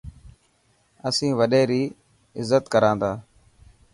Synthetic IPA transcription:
əsĩːʋəɗeːɾiː | ɪzːət̪kəɾãːnd̪aː

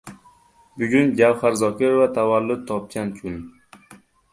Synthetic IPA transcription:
bʊɡʲʊnɡʲawχaɾzɒkʰʲeɾovat̪ʰavalːʊd̪̚t̪ʰɒp̚kʲankʲʰʊn

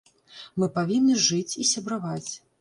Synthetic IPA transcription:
mɨpavʲinːɨʐɨt͡sʲisʲɐbɾavat͡sʲ

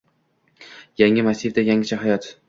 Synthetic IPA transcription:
jaŋːɪmasivd̪ajaŋɪt͡ʃʰaɦajɒt̪

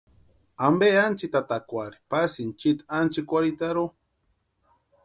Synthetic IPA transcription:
ambeant͡ʃit̪at̪akʷaɾi̥pasint͡ʃit̪ant͡ʃikʷaɾit̪aɾo

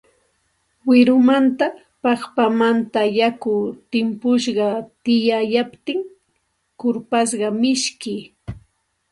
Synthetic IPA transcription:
wɪɾʊmant̪a | pɑχpamant̪ajakʊt̪ɪmpʊʃɢɑt̪ɪjajapt̪ɪŋ | kʊɾpas̬ɢɑmɪʃkɪ

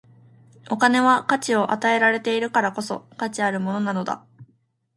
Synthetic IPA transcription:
o̞kane̞βakat͡ɕio̞ʔat̪ae̞ɾaɾe̞t̪e̞iɾɯ̟kaɾako̞so̞̰kat͡ɕiaɾɯ̟mo̞no̞nano̞d̪a̰

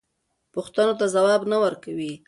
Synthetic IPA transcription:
pʊxt̪anot̪azawɑbnawəɾkawi

